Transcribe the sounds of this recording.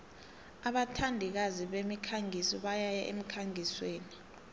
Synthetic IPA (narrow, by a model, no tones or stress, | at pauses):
aɓatʰandʱik̬aziɓemikʰaŋʱisɔɓajajaʔḛm̩kʰaŋʱisweːni